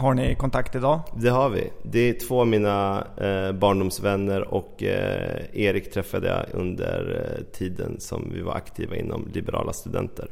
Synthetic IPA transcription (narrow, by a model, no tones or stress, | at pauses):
haɳɪkɔnt̪ʰakt̪ɪd̪ɑːd̪ɛɦaɾvɪ̰d̪ɛt̪ʰvoːmiːna | bɑːɳɖʊmsvɛnːəɾɔk | eːɾɪkt̪ʰɾɛfːad̪əjɑʔɵnd̪əɾʈʰiːd̪ənsɔmvɪvaɾʔakt̪ʰiːvaɪnːɔmlɪbɛɾɑ̰ːlast̪ɵd̪ɛnt̪ʰəɾ